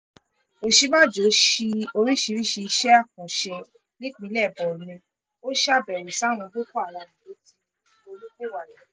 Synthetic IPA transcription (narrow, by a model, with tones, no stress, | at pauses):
o˨ʃi˧mã˦˨d͡ʒo˨˦ʃi˧o˧ɾĩ˦ʃi˧ɾi˦ʃi˧i˧ʃɛ˦a˦˨kɔ̃˨ʃɛ˧ | nĩ˦ɡ͡bĩ˨˦lɛ˦˨bɔ˨nĩ˧ | o˦ʃa˦bɛ˨ɾi˨sa˦˨w̃ɔ̃˧ɡo˦kɔ˦a˦˨lã˨˧˨nĩ˨o˨˦ti˦ | o˧lu˦kũ˦wa˨lɛ˨